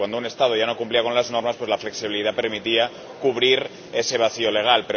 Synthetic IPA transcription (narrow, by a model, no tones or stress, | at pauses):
wand̪oune̞st̪að̞o̞ʝano̞kumpliako̞nlazno̞ɾmaspwe̞zlafle̞ksiβiliðape̞ɾmit̪ia | kuβ̞ɾiɾ | e̞se̞β̞aθio̞le̞ɣ̞alpeɾ